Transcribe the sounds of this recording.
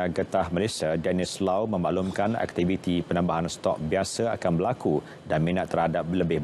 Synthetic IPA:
aɡət̪ahmalesiadɛnislawmə̃mbaʔlumkanɛ̰k̚t̪ivit̪ipənãmbaɦanst̪ɔ̰k̚biasaakanbəlaku | danmĩnãʔt̪ːərhadap̚ləbɪh

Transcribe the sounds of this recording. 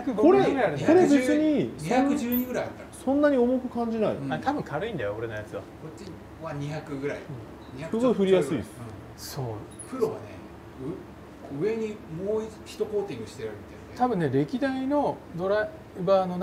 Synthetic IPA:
koɾeiko̞ɾebe̞t͡sɨɲ̟isakɯd͡ʑɨːɲ̟iɡɯ̟ɾajat̪ːasõ̞nːaɲ̟io̞mokɯ̟kãɲ̟d͡ʑinaḭat̪abɯ̟̃ŋkʰaɾɯ̟ĩnd̪ajooɾe̞nojat͡sɨβa̰kot͡ɕːi | βaɲ̟içakɯ̟ɡɯ̟ɾaḭɯ̟̃ː | ɲisɯɡoiɸɯ̟ɾʲijjasɨisɨ̥ | soː | pɯ̟ɾo̞βa̰nḛ | ɯ | ɯ̟e̞ɲ̟imoːçi̥t̪o̞koːt̪ʲĩŋɡɯ̟ɕi̥t̪eɾɯ̟mit̪aj̪et̪abɯ̟̃nːe̞ɾe̞kʲid̪aino̞d̪o̞ɾa | baːno

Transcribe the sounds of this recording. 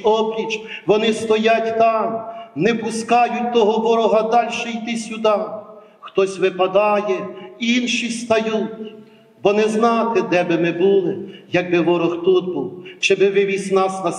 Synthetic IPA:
ɔbɾʲit͡ʃ | ʋɔnɪst̪ɔjatʲt̪ɑmnɛpʊskɑjʊt̚ʲt̪ɔɦɔʋɔɾɔɦɐd̪ɑlʲʃɛjt̪ɪsʲʊd̪ɑ | xt̪ɔsʲʋɪpɐd̪ɑjɛinʃist̪ɐjutʲ | bɔnɛznɑt̪ɪd̪ɛbɪmɪbulˠɪjɐɡ̚bɪʋɔɾɔxt̪ut̪̚buwt͡ʃɛbɪʋɪʋʲizʲnɑsnɐ

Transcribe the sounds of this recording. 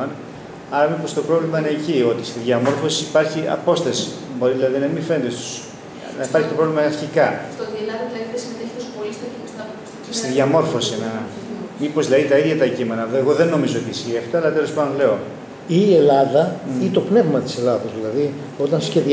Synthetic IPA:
ɐn | ɐɾɐmipo̞st̪o̞pɾo̞vlimɐine̞ːcio̞t̪ist̪iðʝɐmo̞ɾfosiipɐɾçiɐ̰po̞st̪ɐsi̥ | bo̞ɾiðilɐðinɐmife̞nd̪est̪u̥s | nɐipɐɾçit̪o̞pɾolimɐɐɾçikɐst̪oðielɐðɐðilɐðiðesimet̪eçi̥t̪ospolist̪ɐkimost̪ɐ | s | st̪iðʝɐmo̞ɾfo̞sine | mipo̞zðlɐðit̪ɐiðʝɐt̪ɐcime̞nɐeɣo̞ðenːo̞mizoot̪isçiɐft̪ɐːlɐt̪elospɐnd̪onle̞o | iːe̞lɐðɐit̪o̞pne̞vmɐt̪i̥se̞lɐðɐzðilɐði | o̞t̪ɐnsçe̞ði

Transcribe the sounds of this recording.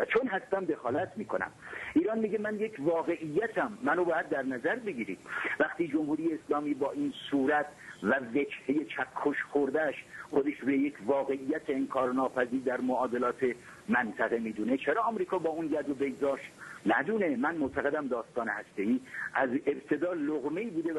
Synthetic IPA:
væt͡ʃʰonɦæst̪æmd̪e̞xɒːlæt̪ʰmiːkʰonæ̰mʔiːɾɒːnmiːɟemænjekʰvɒːɣe̞ʔijːæt̪ʰæmːænobɒːjæd̪̚ːæɾnæzæɾbeɡiːɾiːd̪̥̚væχt̪iːd͡ʒomhuːɾijeːslɒːmiːbɒːʔinsuːɾæt̪ʰvæve̞d͡ʒheje̞t͡ʃʰækʰːoʃxoɾd̪æʃxod̪eʃɾuejekʰvɒːɣe̞ʔijːæt̪ʰeenkʰɒːɾnɒːpʰæziːɾd̪æɾmoɒːd̪e̞lɒːt̪ʰe̞ | mænt̪ʰæɣe̞miːd̪uːne̞t͡ʃʰeɾɒːɒmɾiːkʰɒːbɒːunjæd̪obeɡd̪ɒːʃt̪næd̪uːne̞mænmoʔt̪ʰæɣe̞d̪æmd̪ɒːst̪ɒːnehæst̪e̞iːʔæze̞bt̪ʰe̞d̪ɒːloɣmeiːbuːd̪e

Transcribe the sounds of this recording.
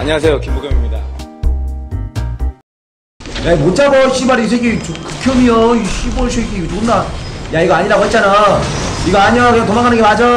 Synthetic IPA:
aɲaas̬ʰejokimboɡʰʌmimɲida | jaimot͡ɕ͈aboɕʰibaɾis̬ʰeɡet͡ɕuku̥kʰjomioiɕʰiboɭsʰeɡeɡot͡ɕuɡɯndajaiɡʌaɲiɾaɡoɦet̚t͡ɕ͈ana | iɡʌaɲiokɯɲaŋtomaɡanɯnɡemad͡ʑʌ

